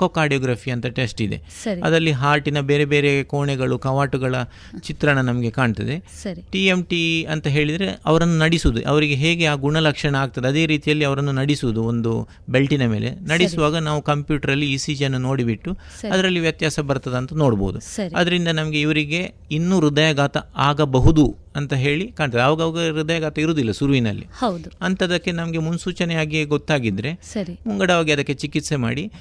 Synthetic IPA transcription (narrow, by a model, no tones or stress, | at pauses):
kokaːɾɖijɐːɡɾaːpiɐnt̪ɐʈesʈid̪ḛ | ɐiɐ̰d̪ɐlːiɦaːʈinɐbeːɾebe̞ːɾekoːɳɛɡɐɭukɐʋaːʈuɡɐɭɐ | t͡ʃit̪ɾɐɳɐnɐmɐɡe̞kaːɳt̪ɐd̪e̞ | ɐiʈiemʈiɐnt̪ɐɦe̞ːɭid̪ɐɾe̞ɐ̰ʋɐɾɐnːunɐɽisuʋud̪ṵʔɐ̰ʋɐɾiɡe̞ɦe̞ːɡe̞aːɡuɳɐlɐkʂɐɳɐaːɡ̚t̪ɐd̪eɐd̪e̞ːɾiːt̪ijɐlːiɐʋɐɾɐnːunɐɽisuʋud̪uond̪u | be̞lʈinɐme̞ːlʔḛnɐɽisuʋaːɡɐnaːʋukɐmpjuːʈɐɾɐlːiiːsiːd͡ʒɐnːuno̞ːɽibiʈːu | ɐd̪ɐɾɐlːiʋjɐt̪jaːsɐbɐɾt̪ɐd̪ɐnt̪ɐnoːɽbo̰ːd̪usɐɾiɐ̰d̪ɐɾind̪ɐnɐmɐɡe̞iʋɐɾiɡe̞ | inːuɾud̪ɐjɐɡaːt̪ɐaːɡɐbɐɦud̪u | ɐnt̪ɐɦe̞ːɭikaːɳt̪ːd̪ɐʋɐɡɐʋɐɡɐɾud̪ɐjɐɡaːt̪ɐiɾoːd̪ilːɐsuɾuʋinɐ̰lːḭhɐwd̪uɐnt̪ɐd̪ɐkːe̞nɐmɐɡe̞munsuːt͡ʃɐnɛjaːɡiɡɔt̪ːaːɡid̪ɾe̞sɐɾimuŋɡɐɽɐʋaːɡiɐd̪ɐkːe̞t͡ʃikit̪se̞ma̰ːɽi